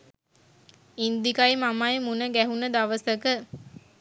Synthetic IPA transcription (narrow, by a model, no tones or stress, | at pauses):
ind̪ikajmamajemunəɡæɦunəd̪aʋəsəkə